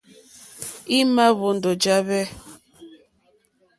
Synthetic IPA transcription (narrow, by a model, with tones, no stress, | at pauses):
i˦ma˦βo˨n̩˨do˨d͡ʒa˦βɛ˦